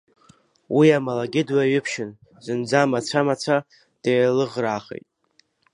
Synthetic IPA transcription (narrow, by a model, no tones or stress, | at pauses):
wiamalaɡʲɪdwaɥʏpʰʃɪn | zɨnd͡zamat͡sʷʰamat͡sʷʰa | d̥ejlɨʁraːχḛjtʼ